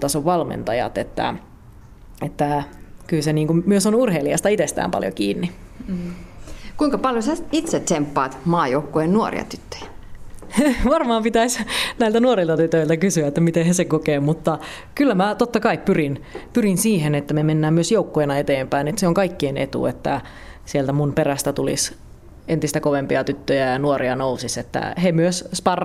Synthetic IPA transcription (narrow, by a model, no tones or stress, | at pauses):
t̪ɑsoʋʋɑlmḛnt̪ɑjɑ̰t̪et̪ːæ̰ | et̪ːækylseniːŋkumyøsonurɦeiliɑst̪ɑit̪est̪æ̰ːmpɑ̰ljo̰kiːnːi | kuiŋkɑpɑljosæit̪set̪empːɑ̰ːt̪mɑːjoukːoennuo̰rḭɑ̰t̪yt̪ːø̥jæ̥ | ʋɑrmɑːmpit̪æisnæilt̪ænuoɾilt̪ɑt̪yt̪øilt̪ækysyæet̪ːæmit̪ehesekokeːmut̪ːɑ | kylːæmæt̪ot̪ːɑkɑippyrinpyrinsiːɦenet̪ːæmemenːæːmmyøsjoukːoenɑet̪eːmpæinet̪seoŋkɑikːienʔḛt̪ṵet̪ːæ̰ | sielt̪æmunperæst̪æt̪ulḭs | ent̪ist̪ækoʋempiɑt̪yt̪ːøjæjɑnuoɾʔiɑnousiset̪ːæ̰hemyøsspɑr